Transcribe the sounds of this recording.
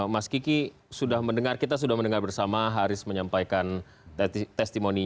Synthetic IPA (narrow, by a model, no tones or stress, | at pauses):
maskiki | sudahməndəŋarkit̪̬as̬udahməndəŋarbərsamaɦaɾʊsməɲampajkan | t̪ɛst̪imoni